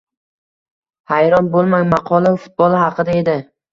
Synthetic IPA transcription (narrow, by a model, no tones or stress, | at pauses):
hajɾɒnbolˠmaŋmɑqʰɒlˠafʊ̥t̪̚bɒlˠɪhɑqʰɨd̪ae̞d̪ɪ